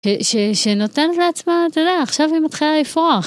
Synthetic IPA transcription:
ʃeʃeʃeno̞t̪envleat͡smat̪ojd̪ejaːχʃavimat̪χilaifʁoaχ

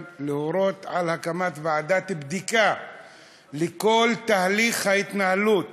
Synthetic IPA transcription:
lehoɾot̪ʕalhakamat̪vaad̪at̪bd̪ika | leko̞lt̪ahliχhait̪nahalut̪

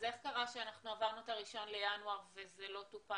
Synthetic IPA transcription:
zeskaʁaʃeanaχnuavaʁnutaʁiʃo̞nle̞januaʁve̞zelo̞tupa

